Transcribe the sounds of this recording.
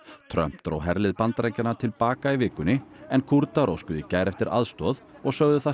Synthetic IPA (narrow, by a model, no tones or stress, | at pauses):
t̪ʰɾœ̰m̥t̪ɾo̰wɦɛɾlɪðpant̪ɾejɲcanːaɾt̪ʰɪlpaːkaivɪːkʏnːɪɛnkʰuɾt̪aɾo̰wskʏðicaːjɾɛft̪ɪɾʔa̰ðst̪ɔːðɔɣsœɣðʏθa